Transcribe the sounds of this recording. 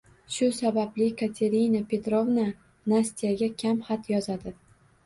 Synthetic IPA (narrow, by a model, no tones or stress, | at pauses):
ʃʊsabablɪkʰat̪ʲʰe̞ɾinapʰe̞t̪ɾovna | nasʲt̪ijaɡʲakʲʰamχat̪jɒzad̪ɪ